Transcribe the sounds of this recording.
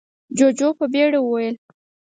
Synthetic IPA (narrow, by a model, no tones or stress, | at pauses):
d͡ʒod͡ʒopəbeɽawəwajəl